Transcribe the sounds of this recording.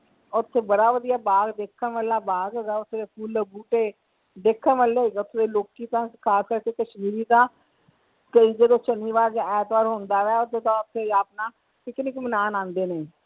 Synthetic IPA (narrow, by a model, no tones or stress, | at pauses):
ʊt̪ʰːeːbəɽaːʋəd̪ijaːbaːɡd̪eːkʰːənʋəlːaːbaːɡoːɡɛːʊt̪ʰːeːd̪eːpʰuːlːəbuːʈeː | d̪eːkʰːənʋəlːeːɡʊt̪ʰːeːd̪eːloːkiːt̪ãːkʰaːskəɾkeːkəʃmiːɾiːt̪ãː | kəiːd͡ʒəd̪õːt͡ʃənmiːʋaːɾɡɛːt̪ʋaːɾɦõːnd̪aːʋɛːʊt̪ʰːeːt̪ãːʊt̪ʰːeːaːpnaː | ɪknɪkmənaːnãːnd̪eːneː